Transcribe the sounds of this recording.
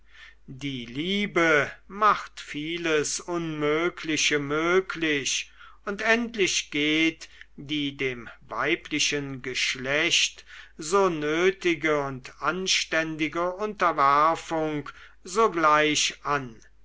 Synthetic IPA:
diːliːbəmaχtfiːləsʊnmøːkʰlɪɕəmøːkʰlɪɕ | ʊntɛntlɪʃɡ̥eːtd̥iːdeːmva̰ɪpʰlɪʃənɡəʃlɛɕtz̥oːnøːtɪɡəʊntʔanʃtɛndɪɡəʊntɐvæɐfʊŋk | zoːɡlaɪɕʔan

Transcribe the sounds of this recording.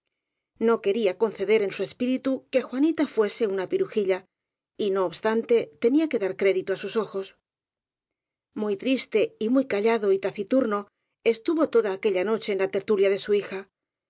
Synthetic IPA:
no̞ke̞ɾiako̞nθe̞ðe̞ɾe̞nsue̞spiɾit̪uke̞xwanit̪afwe̞se̞unapiɾuxiʎa | ino̞ːβst̪ant̪e̞t̪e̞niake̞ðaɾkɾe̞ðit̪uasuso̞xo̞s | mujt̪ɾist̪e̞imujkaʎaðo̞it̪aθit̪uɾno̞ | e̞st̪uβo̞t̪o̞ðaːke̞ʎano̞t͡ʃe̞ːnlat̪e̞ɾt̪uljaðe̞suixa

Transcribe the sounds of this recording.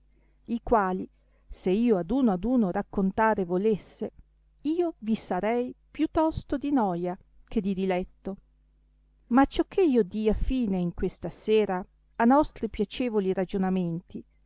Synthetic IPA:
ikwaːli | seiːoad̪uːnoad̪uːnoɾakːont̪aːɾevolesːe | iːovisaɾɛjpjut̪ːɔst̪od̪inɔːja | k̟ʰed̪id̪ilɛt̪ːo | mat͡ʃːɔkʰːeiːod̪iːafiːneiŋkwest̪aseːɾaː | nɔst̪ɾipjat͡ʃeːvoliɾad͡ʒonament̪i

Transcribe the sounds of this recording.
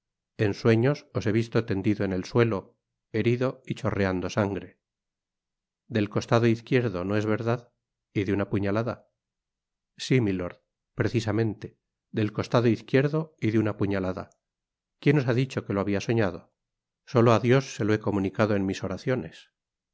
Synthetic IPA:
e̞nswe̞ɲo̞sose̞β̞ist̪o̞t̪e̞nd̪iðo̞ene̞lswe̞lo̞ | e̞ɾiðo̞it͡ʃo̞re̞and̪o̞saŋɡɾe̞ | d̪e̞lko̞st̪aðo̞iθkje̞ɾðo̞no̞e̞zβe̞ɾðað | iðeunapuɲalaða̰ | similoɾð | pɾe̞θisamẽ̞nt̪e̞ | ðd̪e̞lko̞st̪aðoiθkje̞ɾðo̞iðeunapuɲalaða̰ | kje̞no̞s̬aðit͡ʃo̞ke̞loaβiaso̞ɲaðo̞ | so̞loaðjo̞sːe̞lo̞e̞ko̞mũnikaðoe̞nmiso̞ɾaθjo̞ne̞s

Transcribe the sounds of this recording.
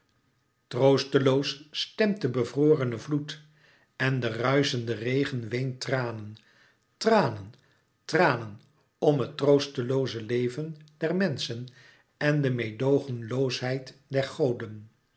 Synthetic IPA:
trowstəlowsstɛmtəbəvroːrənəvlut | ɛndərœɥzəndərejχənʋejntraːnən | traːnən | traːnən | ɔmɦətrowstəlowzəlejvənd̥ɛɹmɛnsən | ɛndəmejdowχənlowsɦɛjtdɛɹχowdən

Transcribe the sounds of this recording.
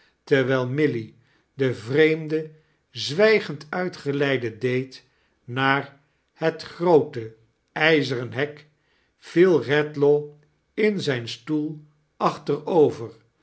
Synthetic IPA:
təɹʋɛjlˠmɪli | dəvrejmdə | zʋɛjχəntœɥtχəlɛjdədejt | naːɹ | hətχrowtə | ɛjzərənɦɛk | fɪlˠrɛtlo | ɪnzɛjnstulˠ | ʔɑχtərowvəɹ

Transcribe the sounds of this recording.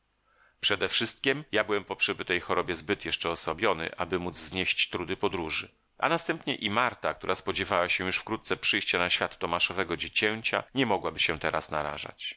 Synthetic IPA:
pʂɛd̪ɛfʂɘst̪̚kʲimjabɘwɛmpɔpʂɛbɘt̪ɛjxɔɾɔbʲjɛzbɘt̪jɛʂt͡ʂɛɔsɔbʲjɔnɘ̰ʔabɘmud̪zzɲeɕt͡ɕt̪ɾud̪ɘpɔd̪ɾuʐɘ | ʔa̰nast̪ɛmpɲɛʔimaɾt̪ak̚t̪uɾaspɔd͡ʑɛvawaɕɛ̃juʂfkɾut̪t̪sɛpʂɘjɕt͡ɕanaɕfʲjat̪ːɔmaʂɔvɛɡɔd͡ʑet͡ɕɛɲt͡ɕa̰ɲɛmɔɡwabɘɕɛt̪ɛɾasna̰ɾa̰ʐa̰t͡ɕ

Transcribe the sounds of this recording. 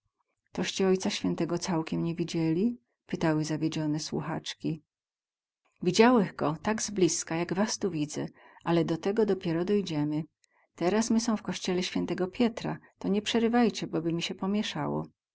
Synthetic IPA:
t̪ɔɕt͡ɕɛɔjt̪saɕfʲjɛnt̪ɛɡɔt̪sawkʲɛmɲɛvʲid͡ʑɛlʲi | pɘt̪awɘzavʲjed͡ʑɔnɛswṵxa̰t͡ʂkʲi | vʲid͡ʑawɛɣɡɔt̪aɡzblʲiskajaɡvast̪uvʲid̪zɛ̰ | ʔalɛd̪ɔt̪ɛɡɔd̪ɔpʲjɛɾɔd̪ɔjd͡ʑɛmɘ | t̪ɛɾasmɘsɔ̃w̃fkɔɕt͡ɕɛlɛɕfʲjɛnt̪ɛɡɔpʲjɛt̪ɾa̰t̪ɔɲɛpʂɛɾɘvajt͡ɕɛbɔbɘmʲiɕɛpɔmʲjɛʂawɔ̰

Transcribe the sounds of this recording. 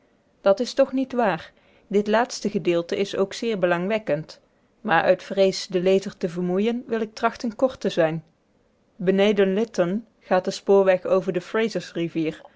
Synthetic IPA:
d̥ɑtɪstɔχnitʋaːɹ | dɪtlaːtstəɣədɪːlˠtəʔɪsowksɪːɹbəlɑŋʋɛkənt | maːɹʔœ̰ɥtfrejsdəlejzəɹtəvəɹmujənʋɪlˠɪk̚trɑxtənkɔɹtəzɛjn | bənejdənlɪtɔn | χaːt̚dəspʊːɹʋɛxowvəɹdəfrejzəsriviːɹ

